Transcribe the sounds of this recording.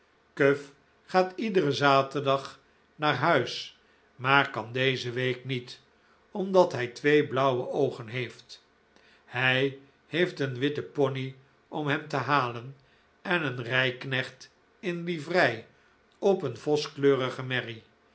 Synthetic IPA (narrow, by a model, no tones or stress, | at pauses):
køf | χaːtidərəzaːtərdɑχ | naːɹɦœɥs | maːɹkɑndejzəʋejknit | ɔmdɑtɦɛjtʋejblɑwəʔowχənɦejft | hɛj | hejftənʋɪtəpɔni | ɔmɦɛmtəɦaːlən | ɛnənrɛjknɛχt | ɪnlivrɛj | ɔpənvɔskløːʁəχəmɛri